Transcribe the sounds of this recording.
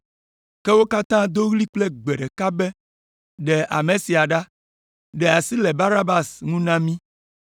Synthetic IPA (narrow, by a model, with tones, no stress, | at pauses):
kɛ˦wo˦ka˦t̪ã˦d̪o˦ɣli˦k͡plɛ˦ɡ͡be˨ɖɛ˨ka˦bɛ˦ | ɖɛ˨ʔa˨mẽ˨si˨a˨ɖa˦ | ɖɛ˨a˨si˦le˨ba˦na˦ba˦sŋũ˦nã˦mĩ˦